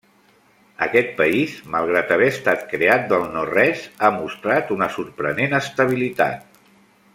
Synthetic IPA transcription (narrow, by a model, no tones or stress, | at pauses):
ə̰kɛt̪̚pəizməlˠɣ̞ɾat̪əβɛəst̪at̪̚kɾeat̪̚d̪əlˠnorɛzamust̪ɾat̪unəsurpɾənenəst̪əβ̞ilit̪a̰t̪̚